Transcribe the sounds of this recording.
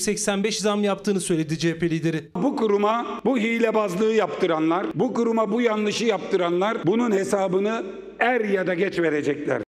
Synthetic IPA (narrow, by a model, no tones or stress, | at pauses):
sɛcsænbɛʃzamjap̚t̪ʰɯːnɯsø̞jlʲed̪id͡ʒepʰelʲid̪eɾibukuɾumabuɦijlʲɛbazlˠɯːjapt̪ʰɯɾanlˠaɾbukuɾumabujanlˠɯʃɯjap̚t̪ɯɾanlˠaɾbununhe̞saːbɯnɯ | æɾjad̪aɟɛt͡ʃve̞ɾe̞d͡ʒɛclʲæ̰ɾ